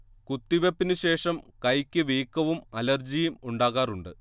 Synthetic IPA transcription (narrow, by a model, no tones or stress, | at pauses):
kut̪ːiʋepːinɨɕe̞ːʂɐmkɐjkʲːɨʋiːkːɐʋumɐlɐrd͡ʑijumuɳɖaːɣaːruɳɖɨ̰